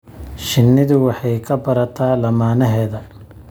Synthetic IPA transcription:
ʃɪnːɪðʊwɑħɑjkʰɐbɐɾɐt̪ʰaːlɐmaːnɐɦɛːðɐ

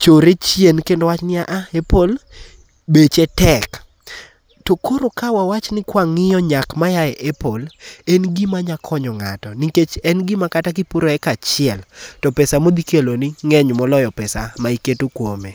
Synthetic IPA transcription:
t͡ʃoɾet͡ʃjenkendowat͡ʃnɪaʔaepol | bet͡ʃetɛk | tokʰoɾokawawat͡ʃnɪkwaŋɪjɔɲakmajajɛʔɛpolenɡimaɲakʰɔɲɔŋa̰tɔniket͡ʃɛnɡimakatakipuɾoɛkat͡ʃɪɛltɔpɛsamod̪ikelonɪŋɛɲmɔlɔjɔpɛsamaiketokwome

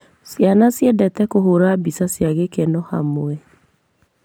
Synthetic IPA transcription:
sjanasjɛdɛtɛkoɦoɾabisasjaɣekɛnɔha̰moɛ

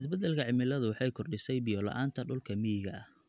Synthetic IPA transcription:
ɪsbɐd̪ɛlkʰɐʕɪmɪlɐðʊwɑħɑjkʰɔrɖɪsɛjbijɔlɐ̰ʔaːnt̪ʰɐɖʊlkʰɐmɪjɪɣɐʔɐh

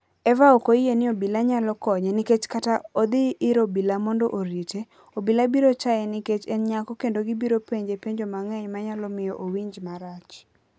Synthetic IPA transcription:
ɛvaokoijenɪobilaɲalɔkɔɲɛnɪket͡ʃkataod̪ɪʔːɾobilamɔndɔʔoɾite | obilabiɾot͡ʃajɛnɪket͡ʃɛnɲakɔkendoɡibiɾopeɲd͡ʒepeɲd͡ʒomaŋɛjmaɲalɔmɪjɔʔowiɲd͡ʒmaɾat͡ʃ

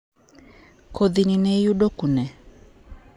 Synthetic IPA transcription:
kʰod̪ininɛjuɗokunɛ

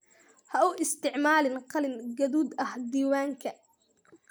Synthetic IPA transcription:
hɐʔʊʔɪst̪ʰɪʕmaːlɪnqɑlɪnɡɐðuːd̪ɐhd̪iːwaːŋkʰɐ

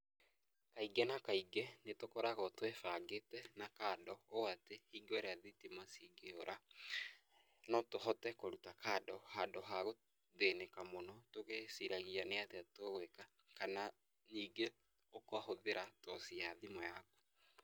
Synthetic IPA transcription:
kaiɡɛnakaiɡɛnetokɔɾaɣɔtwefaɡetɛnakadɔoatehiɡoɾeaðitimasiɡeoɾʔa | nɔtoɦɔtɛkoɾutakadɔhadɔɦaɣo | ðenekamonɔtoɣesiɾaɣianeateatoɣweka | kana | niːɡe | okowahoðeɾatɔsiaðimɔjaku̥

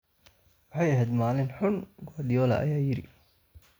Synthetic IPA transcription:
wɑħɑjɐɦɛːd̪maːlɪnħʊnɡɔd̪ɪjɔːlɐ̰ʔɐ̰jaːjɪɾɪ̰

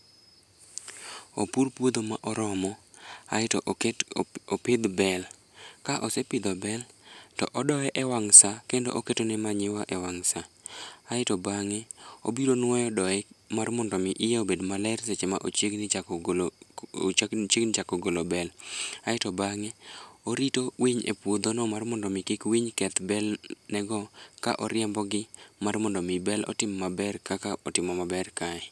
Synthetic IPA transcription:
opurpwod̪omaʔɔɾɔmɔa̰ɪt | opɪd̪bɛl | kaʔɔsepɪd̪obɛltɔ̰ʔɔdɔɛʔɛwaŋsakendo̰ʔoketonɛmaɲɪwaʔɛwaŋsaː | ɪtobaŋɛo̰biɾonwɔjɔdɔɛmarmɔndɔmɪʔɪjaobedmalɛɾset͡ʃemaʔot͡ʃeɡnɪ | t͡ʃeɡnɪt͡ʃakɔɡolobɛlaɪtɔbaŋɛoɾitowiɲḛpwod̪onɔmarmɔndɔmɪkɪkwiɲkɛt̪bɛlnɛɡɔka̰ʔɔɾɪɛmbɔɡɪmarmɔndɔmɪbɛlɔ̰tɪmːmabɛrkakaɔtɪmɔmabɛrkaɛ

